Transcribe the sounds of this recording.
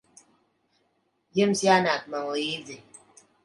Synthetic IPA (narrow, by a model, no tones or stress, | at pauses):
jemsjanat̚maŋjid͡ze